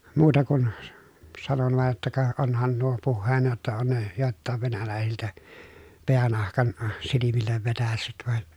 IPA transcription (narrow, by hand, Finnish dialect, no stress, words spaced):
muːtɑ kun s sɑnon ʋɑˑej jotːɑ kɑ onhɑn nuo puhːeːnɑ jotːɑ on ne joˑeltːɑˑeʋ ʋenælæˑesiltæ peænɑhkɑn silimilːeʋ ʋetæsːyt ʋɑn